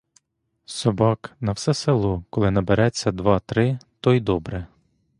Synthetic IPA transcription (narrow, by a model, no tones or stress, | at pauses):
sɔbɑknɐwsɛselˠɔkɔlˠɪnɐbeɾɛt͡sʲːɐd̪ʋɑt̪ɾɪt̪ɔjd̪ɔbɾɛ